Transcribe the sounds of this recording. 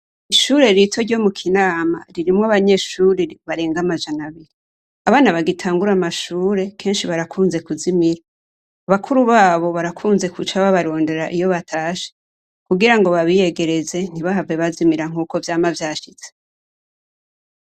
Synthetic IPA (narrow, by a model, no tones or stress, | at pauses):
iʃuːɾe̞ɾitʰo̞ɾɟo̞mukʰinaːma̰ɾiɾimŋoaβaɲe̞ʃuɾiβaɾeːŋɡamaʒanaβiɾi | aβaːnaβaɡitʰaːŋɡuɾamaʃuːɾe̞kʰe̞ːnʃiβaɾakʰuːnze̞kuzimiɾaː | βakʰuɾuβaːβo̞βaɾakʰuːnze̞kut͡ʃaβaβaɾo̞ːnde̞ɾaʔijo̞βatʰaːʃe̥ | kuɡiɾaŋɡo̞βaβije̞ɡe̞ɾe̞ze̞n̥iβaɦavɡeβazimiɾaŋ̥uːko̞vjaːmavjaːʃiz̥e